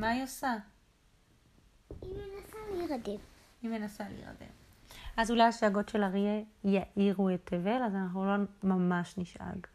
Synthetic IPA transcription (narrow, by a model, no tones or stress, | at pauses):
majosa | imenasaliʁad̪ev | imenasalḭḭʁa̰dḛv | ʔazulajaʃaɡo̞tʃe̞laʁiejaʔiʁuetʰːeve̞lazanaχnulomamaʃniʃʔa̰ɡ